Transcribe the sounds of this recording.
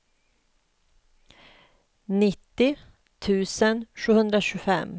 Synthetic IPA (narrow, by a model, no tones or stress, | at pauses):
nɪt̪ːɪ | t̪ʰʉ̟ːsənɧʉ̟ːhɵnd̪ɾaɕʉːfɛ̰m